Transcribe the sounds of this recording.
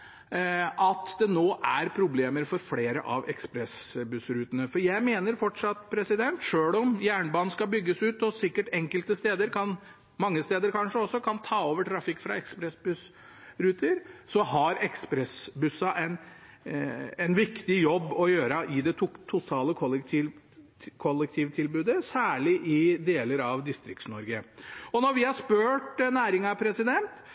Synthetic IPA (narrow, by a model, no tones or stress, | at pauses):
ʔɑt̪d̪ɛnoːʔæɾpʰɾʊbleːməɾfɔɾfleːɾəʔɑʋɛ̰kspɾɛsbʉsɾʉːt̪ənəfɔɾjæɪmeːnəɾfɔʈʂɑt̪ːpʰɾɛsɪd̪ɛnt̪ʂøːlɔmjæːɳbɑːnn̩skɑbʏɡːəsʉːt̪ɔsɪkːəʈɛŋkəlt̪əst̪eːd̪əɾkʰɑn | mɑŋːəst̪eːd̪əɾkʰɑnʂəɔsːɔkʰɑnt̪ʰɑːoːʋəʈʰɾɑfɪkːfɾɑ̰ɛkspɾɛsbʉs | ɾʉːt̪əɾsɔhɑɾɛkspɾɛsbʉsɑʔɛn | ɛnʋɪkt̪ɪjɔbːɔjøːɾəʔɪd̪ɛt̪ʰʊt̪ʰːʊt̪ʰɑːləkʰɔlːt̪ʰi | kʰɔlːɛk̚t̪ʰiːʋt̪ʰɪlbʉːd̪əsæːɭɪʔɪd̪eːləɾɑʋd̪ɪst̪ɾɪkt̪snɔɾɡəɔnɔɾʋɪhɑʂpøːʈnæːɾɪŋɑpʰɾɛsɪd̪ɛnt̪